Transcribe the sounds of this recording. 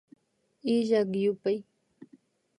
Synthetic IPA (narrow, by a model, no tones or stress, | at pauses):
ɪʒakjʊpaj